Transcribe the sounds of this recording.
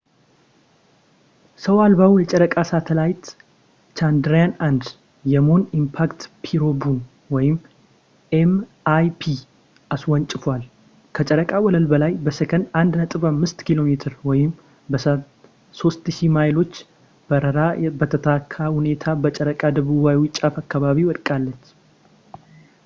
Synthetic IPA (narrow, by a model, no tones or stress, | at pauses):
səwalbawjɛt͡ʃʼəɾəkʼasat̪ʰəlajt̪ | t͡ʃʰand̪ɾjanand̪ | jɛmonimpʰakt̪pʰiɾo̞bun | wɔjɪm | ʔem | ajpʰi | ʔaswɔnt͡ʃʼɪfwal | kʰət͡ʃʼəɾəkʼawɔləlbəlajbəsəkʰənand̪nət̪ʼɨβamːɨst̪kilo̞met̪ʰɨɾwɔjɪm | bəs | so̞st̪ʃimajlo̞t͡ʃː | b̥əɾəɾabət̪ʰət̪ʰakʰːahune̞t̪ʰabət͡ʃʼəɾəkʼad̪əβuβawʊt͡ʃʼːafakːaβaβiwɔkʼalːət͡ʃː